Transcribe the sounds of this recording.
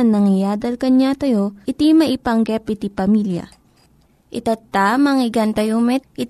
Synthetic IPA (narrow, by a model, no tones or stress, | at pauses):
nːɐŋɪjaːd̪ɐlkɐɲat̪ɐjo̞ʔɪt̪imɐʔɪpɐŋɡɛpɪt̪ipɐmiljɐ̰ | ʔɪt̪at̪ːamɐŋɪɡɐnt̪ɐjomɛt̪̚ɪ